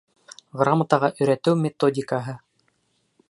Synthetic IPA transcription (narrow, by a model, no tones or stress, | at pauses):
ʁramat̪ɑʁɑʔɵ̆jɾæt̪ɘwmʲet̪odʲɪkaɦɤ